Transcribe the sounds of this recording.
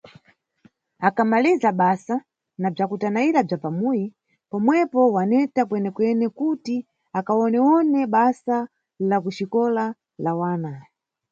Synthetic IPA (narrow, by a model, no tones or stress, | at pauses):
akamalizaɓasa | nab͡ʐakutanaiɾab͡ʐapamuji | pɔmwɛpɔwanɛtakwɛnɛkwɛnɛkuti | akaɔnɛwɔnɛɓasa | lakuʃikɔla | lawaːna